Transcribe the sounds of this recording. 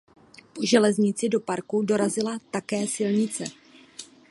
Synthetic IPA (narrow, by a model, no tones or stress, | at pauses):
po̞ʒɛlɛzɲɪt͡sɪdo̞paɾkudo̞ɾazɪlat̪akɛːsɪlɲɪt͡sɛ